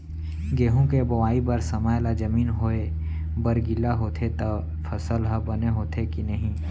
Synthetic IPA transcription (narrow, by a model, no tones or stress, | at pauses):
ɡeːɦõkebɐwaːibɐɾsɐmajlad͡ʒɐmiːnɦoe | bəɾɡɪlaɦoːt̪ʰet̪ɐ | fʰɐsəlɦɐbɐneɦoːt̪ʰekinɐɦĩː